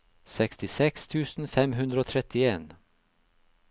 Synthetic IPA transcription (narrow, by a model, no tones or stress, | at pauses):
sɛkst̪ɪsɛkst̪ʰʉːsn̩fɛmɦʉnd̪ɾəoːt̪ʰɾɛt̪ɪeːn